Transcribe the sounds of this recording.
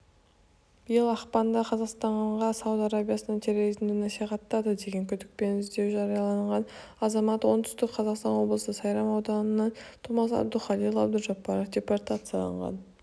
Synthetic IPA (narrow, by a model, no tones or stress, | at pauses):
b̥ɪjəlˠɑχpɑnd̪ɑqʰɑzɑqst̪ɑɴɴʁɑsɑwut̪ɑɾabʲijasənɑnt̪ʰe̞ɾo̞ɾizmd̪ɪnɑsiχɑt̪ːɑd̪əd̪e̞ɡʲe̞ŋkʲʰʏd̪ɪk̚pe̞nʏzd̪e̞wʒɑɾijɑlˠɑɴʁɑn | ɑzɑmɑt̪wo̞nd̪ʏst̪ɪk̚qʰɑzɑqst̪ɑnwo̞blˠəsəsɑjɾɑmɑwd̪ɑnənɑt̪ʰomɑsɑ̰b̚d̪uχɑlilˠɑ̰b̚d̪ʊʒɑpːɑɾofd̪ʲe̞port̪at̪sɨjalˠɑ̰ɴʁɑ̰n